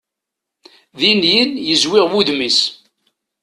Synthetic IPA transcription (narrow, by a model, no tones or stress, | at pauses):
ðinjənjəzwɪʁwuðmis